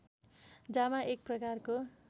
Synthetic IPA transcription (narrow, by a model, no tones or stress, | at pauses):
d͡zamaʔek̚prʌkarko